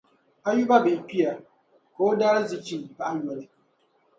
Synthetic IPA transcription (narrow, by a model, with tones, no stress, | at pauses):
a˦ju˦ba˦bɪ˨k͡pi˦ja˨ | ko˨˦daː˦ɾɪ˦zɪ˨t͡ʃi˦ba˦ʔa˦ɲɔ˨lɪ˦